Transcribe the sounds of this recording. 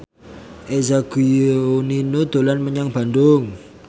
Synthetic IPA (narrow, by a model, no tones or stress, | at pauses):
ezaɡioninod̪̥o̤lanməɲaŋb̥a̤ndʊŋ